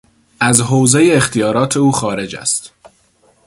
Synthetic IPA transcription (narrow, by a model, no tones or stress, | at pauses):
ʔæzɦoːwze̞jeːxt̪ʰijɒːɾɒːt̪ʰe̞uːxɒːɾe̞d͡ʒæ̰st̪